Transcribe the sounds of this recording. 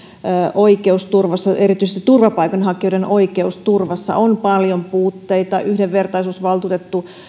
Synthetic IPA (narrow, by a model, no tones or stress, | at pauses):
ʔoikeust̪urʋɑsːɑeɾit̪yisest̪it̪urʋɑpɑikɑnhɑkijodenʔoikeust̪urʋɑsːɑ̰ʔompɑljompuːt̪ːeit̪ɑʔyhdeʋʋert̪ɑisuːsʋɑlt̪uːt̪et̪ːu